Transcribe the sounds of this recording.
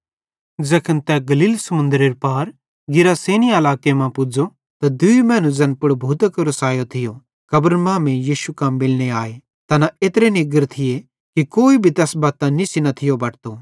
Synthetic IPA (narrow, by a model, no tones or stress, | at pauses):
d͡ʒɐkʰənt̪ɛɡɐliːlsɐmʊ̃nd̪ɾeːɾpaːɾ | ɡɪɾaseːniaɐlaːkemãpʊd͡ʒo | t̪ad̪ʊimɛ̃ːnũd͡zɐnpʊɽbʱuːt̪əkɾɐsaːjot̪ʰɪjo | kɐbəɾmãːmẽjiːʃukãːmːɪlñeaːe | t̪ɐnaeːt̪ɾeniɡəɾt̪ʰɪje | kikoːibʱit̪ɛːsbaːt̪ːãnisinɐt̪ʰɪjobɐːʈt̪o